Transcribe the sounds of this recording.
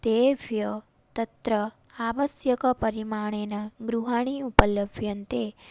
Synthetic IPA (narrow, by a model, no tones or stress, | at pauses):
d̪̥eʋjə | t̪ət̪ɾə | aʋəsjəkəpəɾimaɳ̃enaɡɾuɦaɽ̃iupələbʱjənt̪e